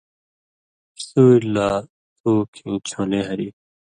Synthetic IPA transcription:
əsuːlːaː | t̪uːkʰĩːt͡ɕʰõːneːɦɐɾiː

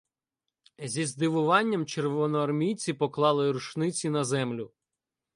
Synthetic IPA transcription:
zʲizd̪ɪʋʊʋɑnʲːɐmt͡ʃerʋɔnɔɐrmʲijt͡sʲipɔklˠɑlˠɪɾʊʃnɪt͡sʲinɐzɛmlʲʊ

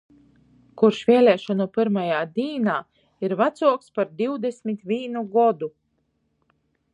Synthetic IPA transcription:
kuɾʃvʲiɛlʲɛːʃɔnupiɾmajaːd̪iːnaː | iɾvat̪suɔkspaɾd̪iwd̪esmʲit̪vʲiːnuɡɔd̪u

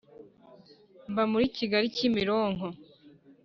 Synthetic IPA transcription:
mbamuɾiciɡaɾicimiɾoːŋo

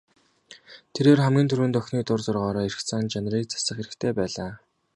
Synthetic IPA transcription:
t̪ʰeɾeːrχæmɡʲiːnt̪ʰɵɾwɘ̆nt̪œxniːt̪ʊrt͡sʊrʁɔːɾɔːirxt͡sʰaːnt͡ɕanriːk̚t͡sʰḁsə̆χxeɾɘ̆kt̪ʰeːpæːɮaː

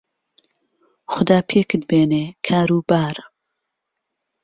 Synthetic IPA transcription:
xʊd̪aːpʰeːkʰɨd̪̚beːneːkʰaːɾuːbaːɾ

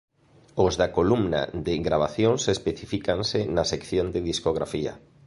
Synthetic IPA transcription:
ozðakolumna̰d̪eɡɾaβ̞aθjoŋsespeθifikansɪnasekθjond̪eðiskoɣɾa̰fia̰

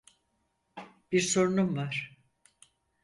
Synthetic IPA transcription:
b̥iɾso̞ɾunumvaɾ̥

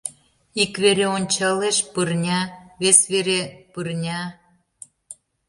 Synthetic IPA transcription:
ikβeɾeonʲt͡ɕɑleʃpɯrnʲɑβesβeɾepɯrnʲɑ

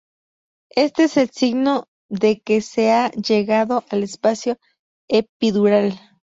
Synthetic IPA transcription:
e̞st̪eese̞lsiɣno̞ | ðe̞kese̞aʝe̞ɣaðo̞ʔale̞spasjo̞ | epiðuɾal

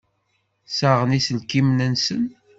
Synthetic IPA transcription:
səʁənisəlkimnənsən

